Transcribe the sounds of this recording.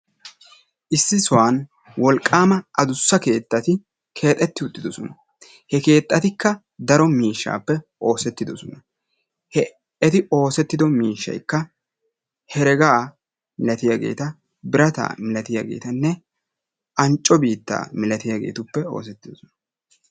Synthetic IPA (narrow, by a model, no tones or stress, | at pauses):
ʔɪsːɪsɔwaːn | wɔlkʼːaːmɐʔɐd̪ʊsːɐke̞ːt̪ːɐt̪ɪ | kʰe̞ːt̪ʼːɛt̪ːɪʊt̪ʼːɪd̪ɔsɔnɐ | hɛke̞ːt̪ʼːɐt̪ɪkːɐ | d̪ɐɾɔmiːʃːa̰ːpːɛʔo̞ːsɛt̪ːɪd̪ɔsɔnɐ | hɛ | ɛt̪ɪo̞ːsɛt̪ːɪd̪ɔmiːʃːɐ̰jkːɐ | hɛɾɛɡaː | mɪlɐt̪ɪjaɡe̞̰ːt̪ɐ | bɪɾɐt̪a̰ːmɪlɐt̪ɪjaɡe̞̰ːt̪ɐnːɛ | ʔɐnt͡ʃʼːɔbiːt̪ːa̰ːmɪlɐt̪ɪjaɡḛːt̪ʊpːɛo̞̰ːs̬ɛt̪ːɪd̪ɔsɔnɐ̥